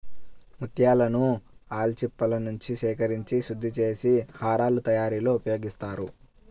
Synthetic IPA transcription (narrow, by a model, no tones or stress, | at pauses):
mut̪jaːlɐnuaːlt͡ʃipːɐlɐnuɲt͡ʃiʃɛːkɐɾiɲt͡ʃiʃud̪ʱːit͡ʃe̞ːsihaːɾaːlut̪ɐjaːɾiːloːupɐjo̞ːɡist̪aːɾu